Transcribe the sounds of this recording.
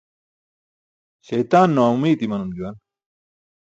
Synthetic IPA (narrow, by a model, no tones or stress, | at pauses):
ɕɐjt̪aːnːowaumiːt̪imɐnumd͡ʑ̪uwɐn